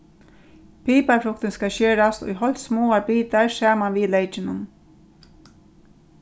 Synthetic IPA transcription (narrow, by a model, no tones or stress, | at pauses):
pʰiːpaɹflʊkt̪ɪnskaʃeːɾast̪ɔ̰jɦɔlt̪smoːaɾbiːt̪aɹsaːmanʋiːlejt͡ʃɪnʊn